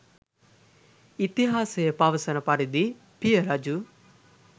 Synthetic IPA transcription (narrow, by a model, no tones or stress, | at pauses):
it̪iɦaːsejɐpɐʋɐsɐnɐpɐɾid̪i | pijɐɾɐd͡ʒu